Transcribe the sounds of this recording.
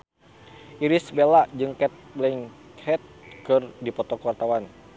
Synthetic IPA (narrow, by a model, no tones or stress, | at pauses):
ʔiɾisbelaʔd͡ʒɨŋkɛt̪̚blɛŋhɛt̪̚kɨrdipɔt̪ɔkwart̪awan